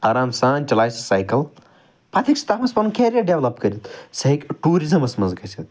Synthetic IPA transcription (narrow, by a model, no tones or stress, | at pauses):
aːɾaːmsaːnʲt͡ʃɐlaːjsɐ̥saːjkɐl | pɐt̪ʰikst̪afɐspɐnukeːɾʲiɐɖeʋlɐpkɐɾit̪sɐɦikʈuːɾizɐmɐsmɐnzkɐsʰit̪̚